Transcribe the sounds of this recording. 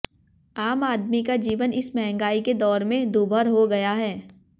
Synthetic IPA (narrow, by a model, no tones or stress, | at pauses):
aːmaːd̪mikad͡ʒiːʋənɪsmɛɦɛ̃ŋɡaːiked̪ɔːɾmẽd̪uːbʱəɾɦoɡɐjaɦɛː